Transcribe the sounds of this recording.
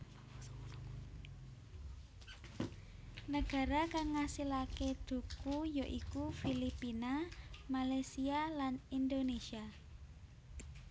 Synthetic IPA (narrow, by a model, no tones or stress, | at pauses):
nəɡ̥a̤ɾakaŋːasilakeɖ̪̥ṳkujoʔikufilipinamalasialanind̪onesia